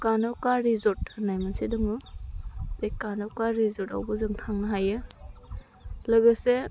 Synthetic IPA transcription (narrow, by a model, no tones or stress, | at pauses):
kanakaɾizɔt̚hɯnajmansidɔŋɯ | bekanowkaɾizɔta̰wbɯzɯŋtʰaŋnɯɦajɯ | lɯɡɯse